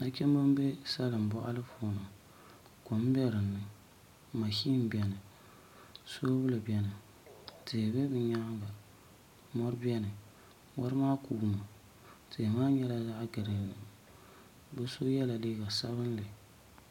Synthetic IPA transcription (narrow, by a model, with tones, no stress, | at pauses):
na˦t͡ʃɛ˦m˦bɨ˦m˦be˦sa˦lɨ˨m˨bɔ˦ʔa̰˦lɨ˦foː˨na˨ | ko˨m˦bɛ˦ɾɨ˨nːɨ˨ | ma˨ʃi˦m˦bɛ˨nɨ˨ | so˦bʊ˦lɨ˨bi˨ɛ˦nɨ˨ | tʰɪ˨bɛ˦bɨ˨ɲa˦ɡa˨ | mɔ˦ɾɨ˦bɛ˦nɨ˨ | wa̰˦ɾɨ˦maː˦kuː˨˦ma˨ | tɪ˨maː˦ɲɛ˦la˦za˦ʔɡɨ˨ɾɨ˨nɨ˨ | bɛ˦so˦jɛ˦la˨liː˦ɡa˨sa˦βɨ˦n˦lɨ˨